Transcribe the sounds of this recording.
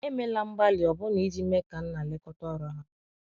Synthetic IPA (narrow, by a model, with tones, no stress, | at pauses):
e˦me˦la˦m̩˦ba˦lɪ˨ɔ˨bʊ˦ni˨˦di˦m̩˦me˦ka˨n̩˦na˨le˦kɔ˦tɔ˦˨ɾɔ˦ɦa˦